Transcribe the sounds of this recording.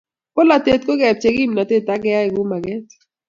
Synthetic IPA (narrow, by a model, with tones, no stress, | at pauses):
ko˦la˨te˨t̚ko˦ɡɛ˨p̚t͡ʃe˨ɡi˦mna˨te˦˨tːa˦ɡɛ˦a˦ɪ˨ɡʊ˦ma˨ɡɛ˦t